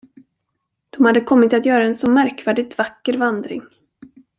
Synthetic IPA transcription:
d̪̥ɔmhad̪ːəkʰɔmːɪt̪at̪jœːɾaɛnsɔmæɾkvæːɖɪt̪vakːəɾvand̪ɾɪ̰ŋ

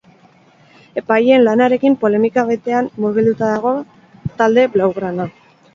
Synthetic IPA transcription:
e̞paje̞nlanaɾe̞kimpo̞le̞mikaβet̪e̞anmuɾβ̞ild̪ut̪aðaɣ̞o̞ | t̪ald̪e̞βlawɣɾana

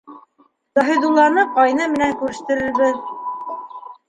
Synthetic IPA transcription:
t̪ɑɦĭd̪ulˠːɑnɤqɑjnɤmɘ̆næŋkʉɾɘ̆ʃt̪ɘ̆ɾɘ̆ɾβɘð

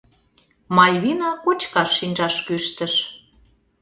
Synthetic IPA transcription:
mɑlʲβinɑkot͡ɕkɑʃːinʲʒɑʃkøʃt̪ə̆ʃ

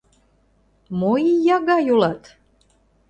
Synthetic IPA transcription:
mojijɑɣɑjulɑt̪

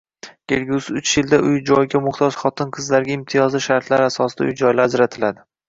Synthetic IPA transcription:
ɡ̥ʲelʲɡʲusɪʊt͡ʃjɪld̪aʔʊjd͡ʒɒjɡʲamʊχt̪ʰɒd͡ʒχɒt̪ʰɪnqʰɨzlaɾɡʲaɪmt̪ʰɪjɒzɪʃaɾt̪laɾasɒsɪd̪a̰ʊjd͡ʒɒjlaad͡ʒɾat̪ʰɪlad̪ɪ

